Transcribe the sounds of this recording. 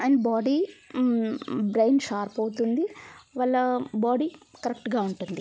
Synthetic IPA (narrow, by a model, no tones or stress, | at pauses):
ɐjnbaːɖiː | bɾejnʃaːɾpɐwut̪und̪iʋɐlːɐbaːɖiːkɐɾek̚ʈɡaːuɳʈund̪i